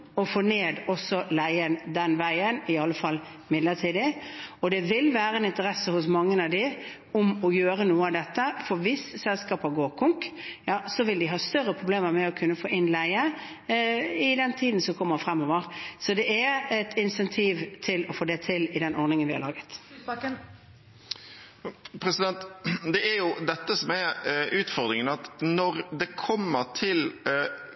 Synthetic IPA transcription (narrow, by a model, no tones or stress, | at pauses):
ɔfoːneːd̪ɔsːɔlæɪənd̪ɛnʋæɪənɪɑlːəfɑlː | mɪd̪lət̪ʰiːd̪ɪɔd̪ɛʋɪlʋæːɾəɛnɪnt̪əɾɛsːəhʊs̬mɑŋːənɑʋd̪ɪ | ɔmɔjøːɾənuːəɑʋd̪ɛt̪ːəfɔɾʋɪssɛlskɑːpəɡoːɾkʰʊŋkjɑːsɔʋɪld̪ɪɦɑːst̪œɾːəpʰɾʊbleːməɾmɛɔkʰʉnːəfoːɪnlæɪə | ɪd̪ɛnt̪ʰiːd̪n̩sɔkʰɔmːəfɾɛmːɔʋəɾsɔd̪ɛʔɛɾɛt̪ʰɪnsɛnt̪ʰiːʋt̪ʰɪlɔfoːd̪ɛt̪ʰɪlɪd̪ɛnʔɔɾnɪŋənʋɪhɑ̰lɑːɡət̪ | pʰɾɛsɪd̪ɛnt̪d̪ɛæɾjʊd̪ɛt̪ːəsɔmɛɾʉːt̪fɔɾd̪ɾɪŋənɑt̪nɔɾd̪ɛkʰɔmːəɾt̪ʰɪl